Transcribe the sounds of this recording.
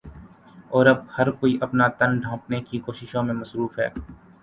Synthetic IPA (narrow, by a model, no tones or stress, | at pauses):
ɔːɾɐb̚hɐɾkoːiʔɐpnat̪ɐnɖʱãːpnekikoːʃɪʃõmẽmɐsɾuːfɦɛ̰ː